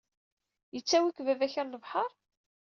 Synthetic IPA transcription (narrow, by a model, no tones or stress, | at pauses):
jət͡sːæwikvævæçəɾləvħəɾˤ